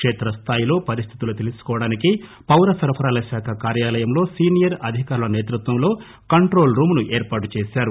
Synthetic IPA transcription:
kʂeːt̪ɾɐst̪ʰaːjilo̞ːpɐɾist̪ʰi̥t̪ulut̪e̞lisu̥kɔːʋɐɽaːniki | pɐwɾɐsɐɾpʰɐɾaːlɐʃaːkʰɐkaːɾjaːlɐjɐmlo̞ːsiːnijɐɾɐd̪ʱikaːɾulɐneːt̪ɾut̪ʋɐmlo̞ː | kɐɳʈɾo̞ːlɾuːmnuʔeːɾpaːʈut͡ʃeːsaːɾu

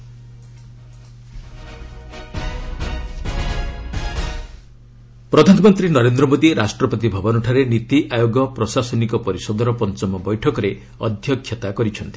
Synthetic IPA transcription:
pɾɔd̪ʱanɔmɔnt̪ɾinɔɾend̪ɾɔmod̪iɾasʈɾɔpɔt̪ibʱɔbɔnuʈʰaɾenit̪iʔajoɡɔpɾɔsasɔnikɔpɔɾisɔd̪ʱɔɾɔpɔnt͡ʃɔmɔbɔjʈʰɔkɔɾe | ɔ̰d̪ʱjɔkʰːjɔt̪akɔɾit͡ʃʰɔnt̪i̥

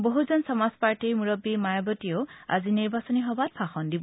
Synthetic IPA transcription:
boɦuzɔnsɔmaspaɹtiɹmuɹɔbːimajabɔtioʊa̰ziniɹbasɔniɦɔbat̚pʰaxɔndibɔ

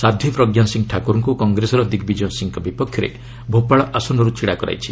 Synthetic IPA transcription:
sad̪ʱjipɾɔɡjansiŋʈʰakuɾɔŋkukɔŋɡɾesɔɾɔd̪iɡbid͡ʒɔnsiŋkɔbipɔkʰːjɔɾḛ | bʱopaɭɔʔasɔnɔɾut͡ʃʰiɽakɔɾa̰jt͡ʃʰi̥

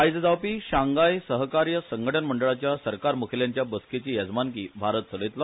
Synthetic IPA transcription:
ajd͡zəd͡zawpiːɕaŋɡajsəɦkaɾjəsəŋɡʱəʈʰənməɳɖəɭat͡ɕjasəɾkaɾmukʰljaɲt͡ɕjabəsket͡ɕiːjəd͡zmankiːbʱaɾət̪̚t͡səlet̪lɔ

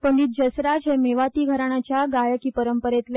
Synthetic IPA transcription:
pəɳɖiːt̪̚d͡ʑəsɾad͡ʑɦemeʋat̪iːɡʱəɾaɽ̃ɳ̃at͡ɕjaɡajəkiːpəɾəmpəɾet̪l

